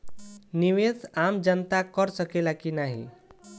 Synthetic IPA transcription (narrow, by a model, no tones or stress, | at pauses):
niʋed̪amd͡ʒənt̪akəɾsəkelakinaɦḭ